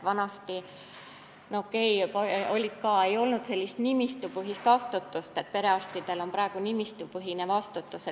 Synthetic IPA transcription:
vɑnɑst̪i | nokːˑe̞jpɑo̞lʲit̪̚kɑːe̞jo̞lnud̪se̞lʲːist̪nimist̪upɯɦist̪vɑst̪ut̪ːˑust̪e̞t̪̚pe̞ɾe̞ɑst̪id̪̥e̞lo̞mpɾɑeɡ̥unimist̪upɯɦinevɑst̪ut̪ːˑuse

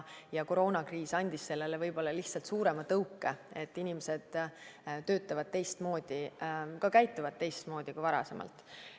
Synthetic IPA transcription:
jɑko̞ɾo̞ːnɑkriːsɑnʲd̪̥ʲisːe̞lːe̞levɤjb̥o̞lːɑliht̪sɑlt̪suːɾe̞mɑt̪ɤwkːˑee̞t̪ːˑinʲimese̞d̪̥t̪ø̞ːt̪ːˑɑvɑd̪̥̚t̪e̞jst̪mo̞ːd̪̥ikɑkæjt̪ːˑuvɑd̪̚t̪e̞jst̪mo̞ːd̪̥ʲikuvɑɾɑ̰se̞mʔɑ̰lt̪ːˑ

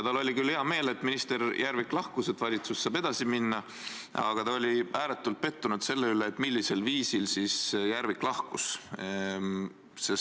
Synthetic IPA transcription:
jɑt̪ɑlo̞lʲikylheɑme̞ːle̞t̪ːminist̪e̞ɾjʔæɾviklɑhkuset̪ːˑvɑlʲit̪susːɑːbe̞d̪̥ɑsiminːɑ | ɑ̰ɡ̥ɑt̪ɑo̞lʲiæːle̞t̪ːult̪̚pe̞t̪ːunud̪̥se̞lːe̞yleːt̪ːˑmilːise̞lviːsilsisjæɾviklɑhkus | ses

